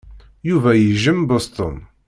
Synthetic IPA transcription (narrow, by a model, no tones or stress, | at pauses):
juvæjəʒəmbost̪ə̰n